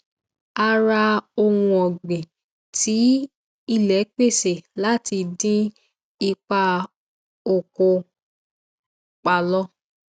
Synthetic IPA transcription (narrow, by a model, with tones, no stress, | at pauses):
a˧ɾa˧o˧wũ˧ɔ˨ɡ͡bẽ˨ | ti˨˦ | i˦˨lɛ˨˦k͡pe˦˨se˨la˦ti˧dĩ˦ | i˧k͡pa˧ | o˨ko˧ | k͡pa˧lɔ˦